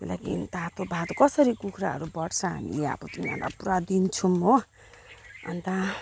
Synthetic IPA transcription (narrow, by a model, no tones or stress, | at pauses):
la̰kḭnt̪at̪obʱad̪kʌsʌɾikukʰɾaɦʌ̰ɾubʌʈt͡sʰʌɦa̰mḭa̰but̪imia̰nd̪a̰puɾad̪int͡sʰumo | ʌ̰nt̪a